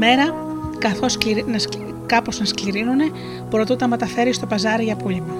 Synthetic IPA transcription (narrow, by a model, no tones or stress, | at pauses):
me̞ɾɐ | kɐθo̞skiɾnɐs | kɐpo̞znɐskliɾinune̞ | pɾo̞t̪ut̪ɐme̞t̪ɐfe̞ɾist̪o̞pɐzɐɾiʝɐpulimɐ